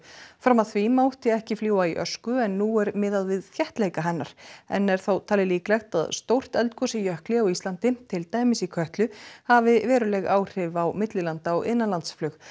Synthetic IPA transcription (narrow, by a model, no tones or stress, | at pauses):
fɾamaðθvimaːwht̪ɪɛhcɪfljuːwaiʔœ̰skʏɛnːuɛɾmɪðaðvɪðθjɛht̪lejkaɦɛnːaɾ̥ɛ̰nːɛɾ̥θowt̪ʰaːlɪliːklɛxt̪a̰ðst̪owr̥t̪ɛlt̪kʰɔsɪjœhklɪawist̪lant̪ɪt̪ʰɪlt̪aːjmɪsikʰœht̪lʏhavɪvɛːɾʏlɛɣaːwr̥ɪvawmɪt̪lɪlant̪aɔɣɪ̰nːanlant̪sflʏx